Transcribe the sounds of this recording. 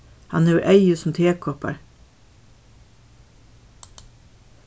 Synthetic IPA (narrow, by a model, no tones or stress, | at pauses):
hɑ̰nhʉːʔæɪʉsm̩t̪ʰeːkʰɔpə̰ɹ